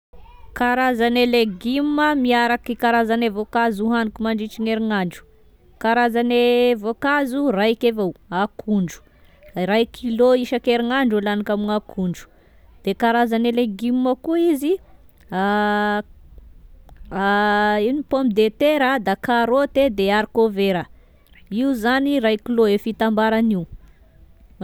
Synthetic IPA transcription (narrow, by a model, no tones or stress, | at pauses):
kaɾazaneleɡimməmiaɾakikaɾazanevokazuɦanikumaɳɖ͡ʐit͡ʃiŋeɾiŋaɳɖ͡ʐu̥ | kaɾazanevokazurajkevowakʰuɳɖ͡ʐu̥ | ɾajkʰiloiʃakeɾiŋaɳɖ͡ʐulanikamiŋakʰuɳɖ͡ʐu̥ | d̪̥ekaɾazaneleɡimːəkuizi | a | inipombid̪et̪eɾad̪akaɾot̪ed̪eaɾikoveɾə | iuzanirajkiloefit̪ambaɾaniu